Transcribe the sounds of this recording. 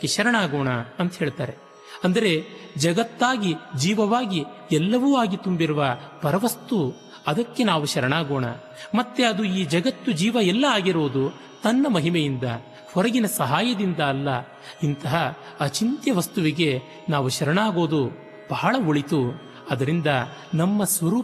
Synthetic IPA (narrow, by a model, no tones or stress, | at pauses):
keʃɐɾɐɳaːɡoːɳɐɐnt̪ɐɦe̞ːɭt̪aːɾe̞ | ɐnd̪ɐɾe̞d͡ʒɐɡɐt̪ːaːɡid͡ʒiːʋɐʋaːɡi | ɛlːɐʋuːaːɡit̪umbiɾuʋɐpɐɾɐʋɐst̪u | ɐd̪ɐkːe̞naːʋuʃɐɾɐɳaːɡoːɳɐ̰ | mɐt̪ːe̞ɐd̪uiːd͡ʒɐɡɐt̪ːud͡ʒiːʋɐɛlːɐaːɡiɾoːd̪u | t̪ɐnːɐmɐɦimejind̪ɐ | hɔɾɐɡinɐsɐɦaːjɐd̪ind̪ɐːlːɐ | int̪ɐɦɐː | t͡ʃint̪jɐʋɐst̪uʋiɡe̞ | naːʋuʃɐɾɐɳaːɡo̞ːd̪u | b̥ɐɦɐɭɐoɭit̪u | ɐd̪ɐɾind̪ɐ | nɐmːɐsʋɐɾuː